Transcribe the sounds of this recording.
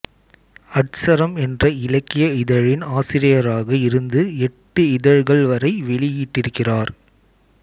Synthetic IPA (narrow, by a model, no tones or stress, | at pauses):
ɐʈsɐɾɐmɛndrɐɪlɐkːɪjɐɪðɐɻɪnaːsɪɾɪjɐɾaːɣɐɪɾɯnd̪ɯɛʈːɯɪðɐɻɣɐɭʋɐɾɐɪʋɛɭɪjiːʈːɪɾɯkːɪraːɾ